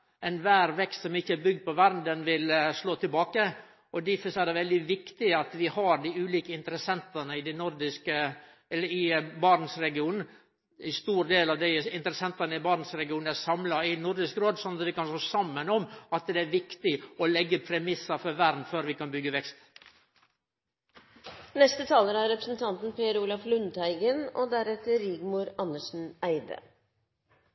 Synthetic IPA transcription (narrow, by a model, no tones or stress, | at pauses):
ɛnʋæːɾʋɛkst̪sɔmɪçːəæbʏɡd̪̚pʰɔʋæɾnd̪ɛnʋɪlsloːt̪ʰɪlbɑːkə | ɔd̪ɪfəsæːd̪ɛʋɛld̪ɪʋɪkt̪ɪɑt̪ʋɪhɑɾd̪ɪʉːliːkəɪnt̪ɾəsɛnt̪ɑnəɪd̪ɛnʊɾd̪ɪskə | ɛləɪbɑɾn̩sɾɛɡɪuːnn̩ | ɪst̪uːɾd̪eːlɑʋd̪æɪɪnt̪əɾɛsɛnt̪ɑnəɪbɑɾnəsɾɛɡɪuːn̩æɾsɑmlɑɪnʊɾd̪ɪskɾoːd̪sɔnɑt̪ʋɪkɑnsoːsɑmːənɔmɑt̪d̪ɛæɾʋɪkt̪ɪɔlɛɡːəpʰɾɛmɪsɑfɔɾʋæɾd̪n̩føːɾʋɪkɑnbʏɡːəʋɛkst̪ | nɛst̪ət̪ʰɑːləɾæɾɾɛpɾəsn̩t̪ʰɑnt̪n̩pʰeːəɾuːlɑflʉnd̪æɪɡənod̪æɾɛt̪əɾɪːɡmʊɾɑnːəʂn̩æɪd̪ə̰